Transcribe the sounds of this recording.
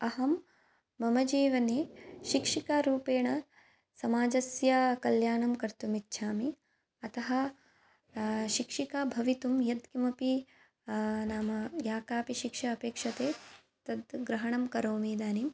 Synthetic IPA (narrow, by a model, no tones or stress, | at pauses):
ɐɦɐmː | ɐmɐd͡ʒiːʋɐneːʃikʂikaːɾuːpeːɳɐ | sɐmaːd͡ʒɐsjakɐljaːɳɐmkɐɾt̪umitːʃʰaːmi | ɐt̪ɐɦɐ | ʃikʂikaːbʱɐʋit̪umjɐd̪kimɐpi | naːmɐjaːkaːpiʃikʂɐɐpeːkʂɐt̪eː | t̪ɐd̪ɡɾɐɦɐɳɐmkɐɾoːmiːd̪aːnim